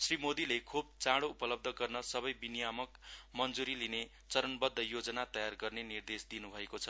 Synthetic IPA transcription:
srimod̪ilekʰub̚t͡sãɽoupʌlʌb̚d̪ʱʌɡʌrnʌsʌbʌjbinijamʌkmʌnd͡zuɾiline | t͡sʌɾʌnbʌd̪ʱːʌjod͡zʌnat̪ʌjarɡʌrnenird̪esd̪inubʱʌekot͡sʰʌ

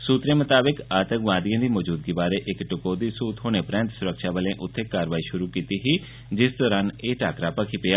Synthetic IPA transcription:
suːt̪ɾemɐt̪aːbɪkaːt̪əŋɡʋãːd̪ijãːd̪iːmɔːd͡ʒuːd̪ɡibaːɾeʔɪkʈʊkoːd̪isuːt̪ɦoːñepɾɛ̃ːnt̪sʊɾəkʃaʋəlẽʔʊt̪ʰːekːaːɾəʋaːiʃʊɾukiːt̪iɦi | d͡ʒɪsd̪ɔːɾaːneːʈʰaːkɾapɐkʰipɪjaː

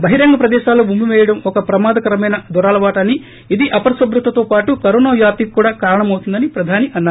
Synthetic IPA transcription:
bɐɦiɾɐŋɡɐpɾɐd̪ɛːʃaːloːbumbiʋɛːjɐɽɐmɔkɐpɾɐmaːd̪ɐkɐɾɐmɐjnɐd̪ɔɾaːlɐʋaːʈɐnːi | id̪iʔɐpɐɾsɐbɾut̪ːɐt̪oːpaːʈukɐɾunoːjaːp̪ikːuːɽaːkaːɾɐɳɐmɐwut̪und̪ɐnipɾɐd̪ʱaːniʔɐnːaːɾu

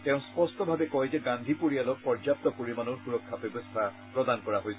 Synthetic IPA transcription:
tɛʊ̃spɔst̪ɔbʱabekɔjzeɡand̪ʱipoɹialɔk̚pɔɹzap̚t̪ɔpoɹimanoɹxuɹɔkʰːabɔbɔst̪ʰa | pɹɔd̪ankɔɹaɦojs

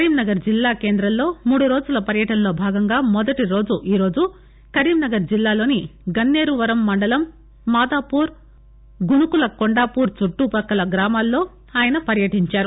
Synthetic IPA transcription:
kɐɾiːmnɐɡɐɾd͡ʒilːaːke̞ːnd̪ɾɐmlo̞ːmuːɽuɾo̞ːd͡ʒulɐpɐɾjɐʈɐnɐlo̞ːbʱaːɡɐŋɡaːmɔd̪ɐʈiɾo̞ːd͡ʒuʔiːɾo̞ːd͡ʒu | kɐɾiːmnɐɡɐɾd͡ʒilːaːlo̞ːniɡɐnːe̞ːɾuʋɐɾɐmːɐɳɖɐlɐmː | aːd̪aːpuːɾ | ɡunukulɐkoɳɖaːpuːɾt͡ʃuʈːupɐkːɐlɐɡɾaːmaːlːo̞ː | aːjɐnɐpɐɾjɐʈiɲt͡ʃaːɾu

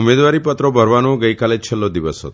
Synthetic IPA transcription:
umed̪waɾipɔt̪ɾɔbʱəɾʋanuɡəjkalet͡ʃʰelɔd̪ibɔsɔ̰

